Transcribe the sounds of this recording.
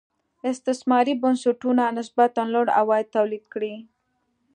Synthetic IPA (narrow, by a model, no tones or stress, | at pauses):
ɪst̪ɪsmɑɾibʊnsuʈunanɪsbat̪anloɽa̰wɑjɪd̪̚t̪awlid̪kɽi